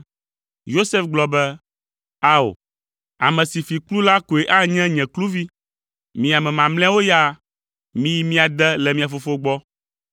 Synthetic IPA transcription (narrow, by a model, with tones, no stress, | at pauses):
jo˦sɛ˦fɡ͡blɔ˨bɛ˦ | a˦o̰˨ | a̰˨mɛ̃˨si˨fi˨klu˦la˦ko˨e˨ʔa˦ɲɛ̃˦ɲɛ̃˨klu˦vi˦ | mĩ˨a˨mɛ̃˨mã˨mlɛ̃˦wo˦ja˦ | mĩ˦ji˦mĩ˦a˨d̪ɛ˦lɛ˨mĩ˨a˨fo˦fo˦ɡ͡bɔ˦